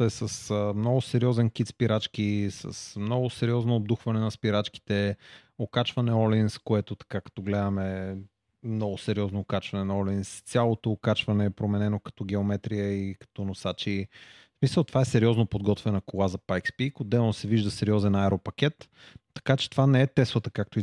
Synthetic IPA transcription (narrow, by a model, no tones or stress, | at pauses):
ɛsəsəmnɔɡʊsɛɾiɔzɛnkit̪spiɾat͡ʃk̟isɐ̰smnɔɡʊsɛɾiɔznoːb̚d̪uxvɐnɛnɐspiɾat͡ʃki̥t̪ɛ | okat͡ʃvɐnɛɔlinskoɛt̪ot̪ɐ̥kakɐ̥t̪ɔɡlɛd̪əmɛ | mnɔɡʊsɛɾiɔznoːkat͡ʃvɐnɛnɐɔlinst̪sʲjalˠot̪oːkat͡ʃvɐnɛpɾomɛnɛnokɐ̥t̪ɔɡɛomɛt̪ɾijəikɐ̥t̪ɔnosat͡ʃi | smisəlˠt̪ovaɛsɛɾiɔznopod̪ɡɔt̪vɛnɐkolˠazɐpajkspikod̪ːɛlˠnosɛviʒd̪əsɛɾiɔzɛnaɛɾopɐk̟ɛt̪ː | ɐ̥kat͡ʃɛ̥t̪ovanɛɛt̪ɛslˠət̪əkak̚t̪oi